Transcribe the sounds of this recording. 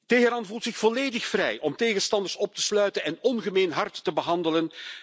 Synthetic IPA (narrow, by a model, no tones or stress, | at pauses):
teːɦəɾɑnvulˠtsɪxv̥ɔleːdɪxfrɛjʔɔmteːɣənstɑndərsɔp̚təslœɥtənɛnɔnɣəmeːnɦɑrtːəbəɦɑndələn